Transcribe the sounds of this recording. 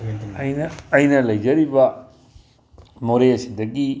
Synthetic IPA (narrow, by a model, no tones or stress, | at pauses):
ɐjnɐːjnɐlɐjd͡ʒɐɾibɐ | moɾeɐsid̪ɐɡi